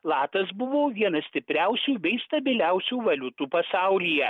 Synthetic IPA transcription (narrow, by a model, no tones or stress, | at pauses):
lˠɑːt̪ɐsbʊʋoːʋʲiɛnɐsʲt̪ʲɪpʲɾʲæʊsʲuːbʲɛɪst̪ɐbʲɪlʲæʊsʲuːʋɐlʲʊt̪uːpɐsɑˑʊlʲijɛ